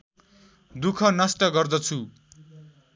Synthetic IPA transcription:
d̪ukʰʌnʌsʈʌɡʌrd̪ʌt͡sʰu

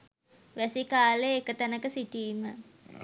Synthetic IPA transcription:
ʋæsikaːleːkət̪ənəkəsiʈiːmə

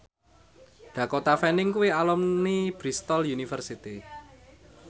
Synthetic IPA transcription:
ɖ̪̥ä̤kot̪afɛnɪŋkuwialɔmnib̥ɾist̪ɔljunifərsit̪i

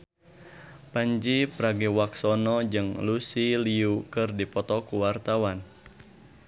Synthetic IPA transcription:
paɲd͡ʒipɾaɡiwaksɔnɔd͡ʒɨŋlusiliukɨrdipɔt̪ɔkuwart̪awan

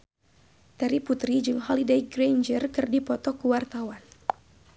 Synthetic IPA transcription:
t̪aɾiput̪ɾid͡ʒɨŋɦɔlidejɡrejnd͡ʒərkɨrdipɔt̪ɔkuwart̪awan

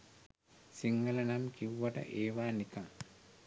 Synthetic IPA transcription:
siŋːələnamkiʋuʋaʈə̰ʔeːʋaːnikaŋ

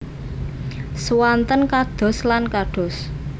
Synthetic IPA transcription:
swant̪ənkaɖ̥ɔ̤slankaɖ̥ɔ̤s

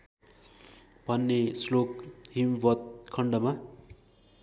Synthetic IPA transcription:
bʱʌnːeslokɦimbʌt̪̚kʰʌɳɖʌma

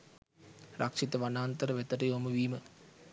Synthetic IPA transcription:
ɾʔakʂit̪əʋanaːnt̪əɾəʋet̪əʈəjoːməʋiːmə

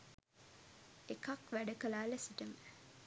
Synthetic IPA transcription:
ekɐkʋæɖɐkɐlaːlesiʈəmə

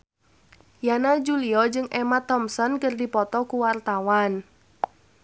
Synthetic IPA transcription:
janad͡ʒuliɔd͡ʒɨŋʔemat̪ɔmsɔnkərdipɔt̪ɔkuwart̪awan

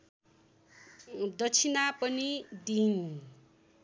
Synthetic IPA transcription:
d̪ʌt͡sʰinapʌnid̪in

